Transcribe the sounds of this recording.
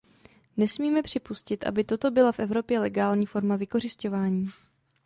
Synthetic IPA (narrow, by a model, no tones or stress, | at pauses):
nɛsmiːmɛpr̝̥ɪpuscɪt̪ʔa̰bɪt̪o̞t̪o̞bɪlafʔɛvɾo̞pjɛlɛɡaːlɲiːfo̞ɾmavɪko̞r̝ɪsco̞vaːɲiː